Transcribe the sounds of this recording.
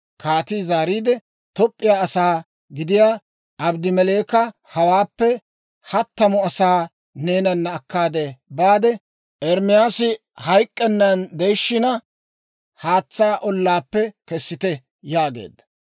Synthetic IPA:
kʰaːt̪izaːɾiːd̪ɛ | t̪ɔpʼːɪjaːsaː | ɡɪd̪ɪjaː | ʔɐbd̪ɪmɛle̞ːkɐ | hɐwaːpːɛ | hɐt̪ːɐmɔɐsaː | neːnɐnːɐːkːaːd̪ɛbaːd̪ɛ | ʔɛɾmɪjaːsɪ | hɐjkʼːɛnːɐnd̪ɛjʃːɪnɐ | haːt͡sːaːʔɔlːaːpːɛkɛsːɪt̪ɛ | jaːɡe̞̰ːd̪ːɐ̥

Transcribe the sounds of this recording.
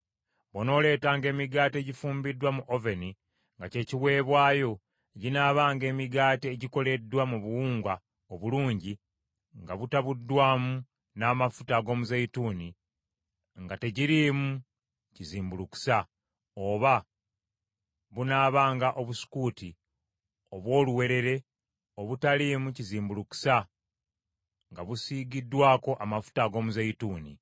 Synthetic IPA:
βono̞ːle̞ːtaːŋɡe̞ːmiɡaːte̞ɟifuːmbidːwamuʔoveni | ŋɡace̞ːciwe̞ːβwaːjo̞ | ɟinaːβaːŋɡe̞ːmiɡaːteːɟiko̞le̞dːwamuβuwuːŋɡwa | oβuluːɲɟi | ŋɡaβutaβudːwaːmu | naːmafu̥taɡo̞ːmuzeituːni | ŋɡate̞ɟiɾiːmu | ciziːmbuluku̥sa | o̞βa | βunaːβaːŋɡaʔo̞βusu̥kuːti | o̞βwo̞ːluwe̞ɾe̞ɾe̞ | oβutaliːmuciziːmbuluku̥sa | ŋɡaβusiːɡidːwaːko̞ʔamafu̥taɡo̞ːmuzejituːnḭ

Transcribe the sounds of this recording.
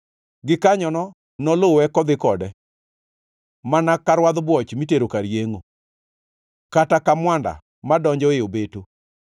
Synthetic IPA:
ɡɪkaɲɔnɔ | nɔlowɛkɔd̪ɪkɔdɛ | manakaɾwad̪bwɔt͡ʃmiteɾokaɾjeŋo | katakamwanda̰ | madɔɲd͡ʒɔɪobeto

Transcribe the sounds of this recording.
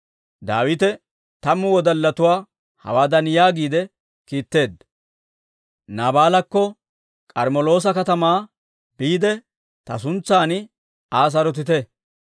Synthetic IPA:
d̪a̰ːwɪt̪ɛ | t̪ɐmːʊwɔd̪ɐlːɐt̪ʊwaː | hɐ̰waːd̪ɐnjaːɡiːd̪ɛ | kiːt̪ːe̞ːd̪ | naːbaːlɐkːɔ | kʼɐɾmɔlo̞ːs̬ɐkɐt̪ɐmaː | biːd̪ɛ | t̪ɐs̬ʊnt͡sːaːnɪ | aːs̬ɐɾɔt̪̬ɪt̪ɛ

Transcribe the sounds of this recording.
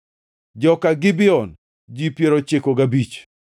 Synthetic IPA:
d͡ʒɔkaɡɪbɪɔn | d͡ʒipjeɾot͡ʃekoɡabit͡ʃ

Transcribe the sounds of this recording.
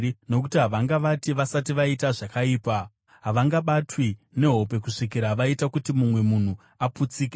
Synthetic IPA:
no̞kutiɦaʋaŋɡaʋatiʋasatiʋaitaʐakaiːpa | ɦaʋaŋɡaɓatwine̞ɦo̞pe̞kuʂikiɾaʋaitakutimumwe̞mun̤u | aput͡siːke

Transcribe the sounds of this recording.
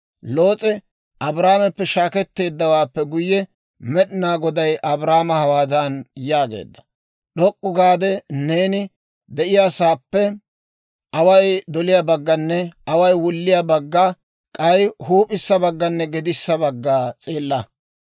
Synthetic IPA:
lo̞ːt͡sʼɛ | ʔɐbɾaːmɛpːɛʃaːkɛt̪ːe̞ːd̪ːɐwaːpːɛɡʊjːɛ | mɛɗɪnaːɡɔd̪ɐjʔɐbɾaːmɐhɐwaːd̪ɐnjaːɡḛːd̪ːɐ̥ | ɗɔkʼːʊɡaːd̪ɛne̞ːnɪ | d̪ɛʔɪjaːsaːpːɛ | ʔɐwɐjd̪ɔlɪjabɐɡːɐnːɛɐwɐjwʊlːɪjabɐɡːa | kʼɐjhuːpʼɪsːɐbɐɡːɐnːɛɡɛd̪ɪsːɐbɐɡːaːt͡sʼeːlːɐ

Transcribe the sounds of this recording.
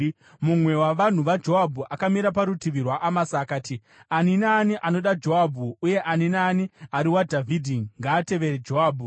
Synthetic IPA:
mumwe̞waʋan̤uʋad͡ʒo̞ɦabʱuʔakamiɾapaɾutiʋirwaʔamasaːkaːti | aninaːniʔano̞ɗad͡ʒo̞abʱuuje̞ʔaninaːniaɾiwadʱavʱidʱiŋɡaːte̞ʋe̞ɾed͡ʒo̞ɦaːbʱu

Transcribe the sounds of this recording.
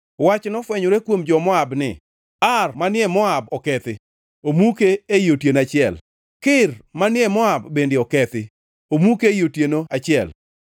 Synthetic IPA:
wat͡ʃnɔfwɛɲoɾekwomd͡ʒɔmɔabnɪ̰ | armanjɛmɔabɔkɛt̪ɪ | omukeejotjenat͡ʃɪɛl | kɪrmanɪɛmɔabːendɪɔkɛt̪ɪ | omukejotjenoat͡ʃɪɛl

